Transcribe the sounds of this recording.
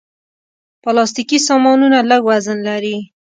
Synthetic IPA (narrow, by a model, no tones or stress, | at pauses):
plɑst̪ikisɑmɑnunaləɡwazənlaɾi